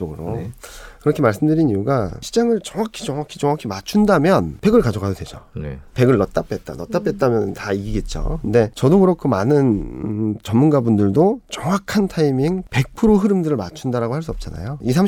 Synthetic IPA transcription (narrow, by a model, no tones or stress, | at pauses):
oɡɯɾokɯɾʌkʰe̞maɭs͈ɯmdɯɾinijuɡaɕʰi̥d͡ʑaŋɯɭt͡ɕʌŋwakʰi̥d͡ʑʌŋakʰid͡ʑʌŋwakʰimat͡ɕʰundamjʌnpe̞ɡɯɭkad͡ʑoɡɦadodwe̞d͡ʑoepe̞ɡɯɭːʌt͈apʰet̚t͈a̰nʌt͈apʰe̞t̚t͈amjʌnɯntaiɡiɡe̞t̚t͡ɕ͈o̰kɯnde̞t͡ɕʌdokɯɾʌkʰomanɯn | t͡ɕʌmːunɡabundɯɭdot͡ɕʌŋwakʰantʰaimiŋpe̞k̚pʰɯɾoɦɯɾɯmdɯɾɯɭmat͡ɕʰundaɾaɡohaɭs̬͈uʌp̚t͡ɕ͈ana̰joisʰam